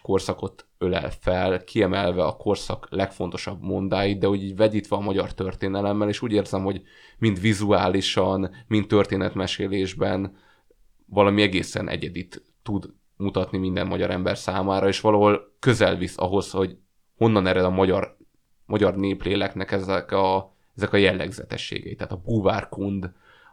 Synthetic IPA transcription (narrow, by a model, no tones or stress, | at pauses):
ko̞rsɒko̞t̪ølɛ̰lfɛlkʰiɛmɛlvɛɒkʰo̞rsɒklɛkfo̞nt̪o̞ʃɒbmo̞nd̪aːjid̪̚d̪ɛho̞ɟiːɟvɛɟiːt̪ʋɛɒmɒɟɒrt̪ørt̪eːnɛlɛmːɛleːʃuːɟeːrzɛmho̞ɟ | mind̪ʋizuaːliʃɒnmint̪ːø̞rt̪eːnɛt̪mɛʃeːleːʒbɛn | vɒlɒmiɛɡeːsɛ̰nʔɛ̰ɟɛd̪it̪ː | ud̪ | mut̪ɒt̪nimind̪ɛmːɒɟɒɾɛmbɛrsaːmaːɾɒeːʃʋɒlɒɦo̞lkø̞zɛlvisɒ̰ɦo̞sho̞ɟ | ho̞nːɒnɛɾɛd̪ɒmɒɟɒr | mɒɟɒrneːpleːlɛknɛkɛzɛkɒ | ɛzɛkɒjɛlːɛ̰ɡzɛ̰t̪ɛ̰ʃːḛːɡɛ̰it̪ːaːt̪ɒbuvaːrkund̪